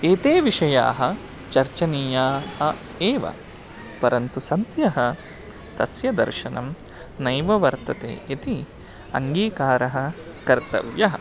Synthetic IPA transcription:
eːt̪eːʋiʂɐja̰ːɦɐ̆ | t͡ʃɐɾt͡ʃɐnijaːhɐ | eːʋɐ̰ | pɐɾɐnt̪usɐnt̪jɐɦɐ | t̪ɐsjɐd̪ɐ̰ɾʃɐnɐ̰m | nɐjʋɐʋɐɾt̪ɐt̪ḛːʔit̪i | ɐ̰ŋɡiːkaːɾɐɦɐ̆ | kɐɾt̪ɐ̰ʋjɐɦɐ

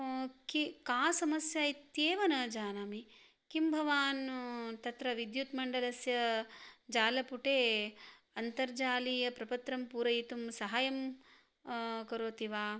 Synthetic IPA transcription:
kikaːsɐmɐsjaːit̪jeːʋɐnɐd͡ʒaːnaːmi | kimbʱɐʋaːnt̪ɐt̪ɾɐʋid̪jut̪mɐɳɖɐlɐsjɐd͡ʒaːlɐpuʈeː | ɐnt̪ɐɾd͡ʒaːlijɐpɾɐpɐt̪ɾɐmpuːɾɐjit̪umsɐɦaːjɐm | kɐɾoːt̪iʋaː

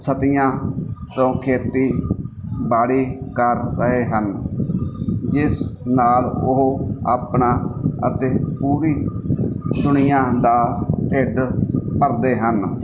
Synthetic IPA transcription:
sət̪ɪjãːt̪õːkʰeːt̪iː | baːɽiːkəɾːəɦeːɦən | d͡ʒɪsnaːlʊɦa̰ːpɳaːə̰t̪eːpuːɾiː | d̪ʊnɪjãːd̪aːʈeːɖpəɾd̪eːɦən

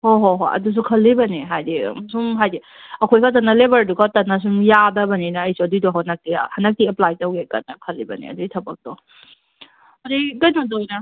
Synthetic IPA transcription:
hoɦoɦo̰ʔɐ̰dus̬ukʰɐlːibɐniɦajdḭmsumɦajdi | ɐkʰojkʰɐt̬ɐnːɐlebɐɾduɡatɐnɐs̬umjadɐbɐninɐɐjsuɐdudɔɦanɐk̚tiahɐnɐk̚tiɐplajtɐwɡekɐ̰t̚nɐkʰɐlːibɐnḭɐ̰duɡitʰɐbɐk̚d̥ɔ | ɐɾidɐjnɔdojnɐ

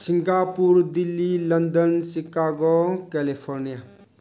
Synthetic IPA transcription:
siŋɡapuɾd̪ilːilənd̪ənsikaːɡokɛlipʰɔɾnija

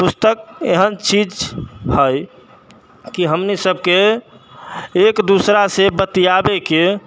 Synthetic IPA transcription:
pust̪ək̚eɦənt͡ʃid͡ʒhəj | kiɦəmnisəb̚ke | kd̪usɾasebət̪ijabeke

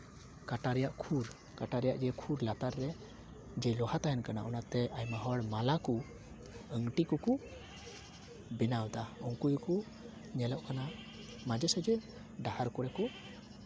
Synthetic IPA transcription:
kaʈaɾɛjaʔkʰuɾ | kaʈaɾɛjaʔd͡ʒɛkʰuɾlat̪aɾːɛ | d͡ʒɛlɔhat̪aɦɛnkana̰ʔɔnat̪ɛʔajmaɦɔɽmalaku | əŋʈikɔku | bɛnawd̪aɔŋkujku | ɲɛləʔkana | mad͡ʒɛsɛd͡ʒɛ | ɖahaɾkɔɾɛkɔ

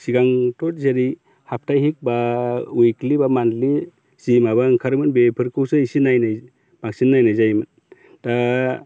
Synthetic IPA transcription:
siɡaŋtʰɔt̚zeɾi | hap̚ʰtajɦik̚baujklibamandli | z̥imabaŋkʰaɾmɯnbepʰɯɾkʰɯwsɯisinajnaj | b̥aŋsinːajnajzajmɯn | ta

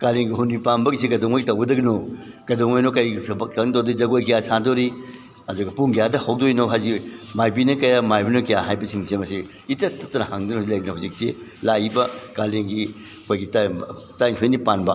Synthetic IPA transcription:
kaleŋɡiɦunipanbɐɡisiɡɐdoŋojtɐwɡɐdɐɡino | ɡ̥ɐdoŋojnokɐjɡbɐkɐŋtowdɐizɐɡojkijasadoɾi | ɐduɡɐpuŋɡijadɐhowdojnoɦazimajbinɐkɐjamajbinokijaɦajbɐsiŋsemɐsi | itɐtɐtɐnɐhaŋdɐnosilɐjdɐnɐhuzikselaibɐkaleŋɡi | ɐkʰojɡitatajŋsʰojnipanbɐ

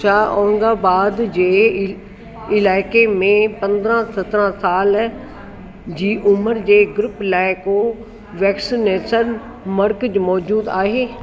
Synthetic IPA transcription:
aːʔɔ̃ːŋɡaːbaːd̪d͡ʑeː | ɪlaːɪkemẽpɐ̃nd̪ɾãsɐt̪ɾãsaːl | d͡ʑiːʔʊməɾd͡ʑeːɡɾʊpɪlaːɪko | ʋɛːksineːsən | mɐɾkd͡ʑmɔːd͡ʑuːd̪aːɦeː

